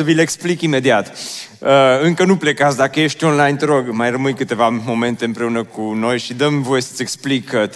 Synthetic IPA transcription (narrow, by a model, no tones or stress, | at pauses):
əvileeksplikime̞d̪iat̪ | əɨŋkənuple̞kat̪sd̪akəje̞ʃt̪ʲo̞nlajnt̪əɾo̞ɡmajrəmɨjkɨt̪e̞vamo̞me̞nt̪e̞ɨmpɾe̞unəkuno̞jʃid̪əmvo̞je̞sət̪sʲeksplik̪